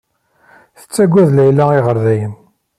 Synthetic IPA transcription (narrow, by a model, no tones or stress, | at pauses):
θə̥t͡sːæɡʷːæðlæjlaiʁəɾðæjən